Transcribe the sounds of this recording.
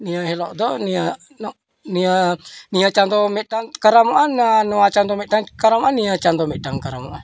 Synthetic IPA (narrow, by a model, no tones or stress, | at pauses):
niaɦelɔʔdɔnia | nɔ | nianiat͡ʃant̪omɛdaŋkaɾamoʔanːanuat͡ʃant̪ɔmɛʔdaŋkaɾamoʔanːiat͡ʃant̪ɔmɛdaŋkaɾamoʔan